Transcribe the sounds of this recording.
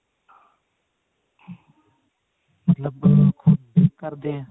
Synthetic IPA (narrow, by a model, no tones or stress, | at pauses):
mət̪ləbkʰʊd̪̚bikəɾd̪ẽː